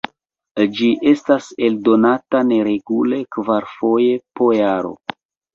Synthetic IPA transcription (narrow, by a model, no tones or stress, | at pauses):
d͡ʒiʔe̞stase̞ldo̞natane̞ɾe̞ɡule̞kvaɾfo̞je̞po̞jaɾo̞̰